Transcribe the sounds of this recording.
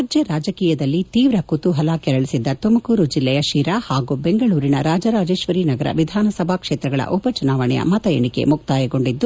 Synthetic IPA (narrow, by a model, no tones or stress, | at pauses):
ɐd͡ʒjɐɾaːd͡ʒɐkiːjɐd̪ɐlːit̪iːʋɾɐkut̪uɦɐlaːkɛɾɐɭisid̪ːɐt̪umɐkuːɾud͡ʒilːɛjɐʃiːɾahaːɡubeŋɡɐɭuːɾinɐɾaːd͡ʒɐɾaːd͡ʒeːʃʋɐɾinɐɡɐɾɐ̰ʋid̪ʱaːnɐsɐbʱakʂeːt̪ɾɐɡɐɭɐ̰ʔupɐt͡ʃunaːʋɐɳɛjɐ̰mɐt̪ɐjeɳike̞̰muk̚t̪aːjɐɡo̞ɳɖid̪ːu